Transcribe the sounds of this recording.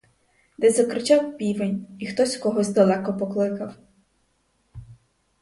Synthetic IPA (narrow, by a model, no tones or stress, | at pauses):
d̪ɛzɐkɾɪt͡ʃawpʲiʋenʲixt̪ɔsʲkɔɦɔzʲd̪ɐlˠɛkɔpɔklˠɪkɐw